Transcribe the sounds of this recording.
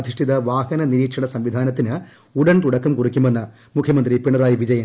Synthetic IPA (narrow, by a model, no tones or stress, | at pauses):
ɐd̪ʱiʂʈʰiðɐʋaːhɐnɐniɾiːʈʂɐɳɐsɐmʋid̪ʱaːnɐt̪ːinɨ | uɽɐnt̪uɽɐkːumkurikʲːumenːɐ | mukʰjɐmɐnd̪ripiɳːɐɾaːjiʋid͡ʑɐjɐm